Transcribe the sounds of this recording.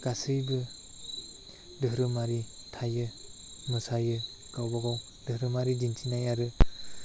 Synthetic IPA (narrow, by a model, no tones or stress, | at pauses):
ɡ̥asɯjbɯ | dɯɦɾɯmaɾi | tʰajɯ | mɯsajɯ | ɡawbaɡaw | dɯhɾɯmaɾid͡ʒinsʰinajaɾɯ